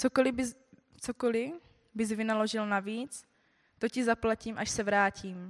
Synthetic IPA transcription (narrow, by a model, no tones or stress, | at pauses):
t͡sokolɪb | t͡sokolɪ | bɪzvɪnalo̞ʒɪlnaviːt͡s | t̪o̞cɪzaplaciːmʔaʃsɛvɾaːcʰiːm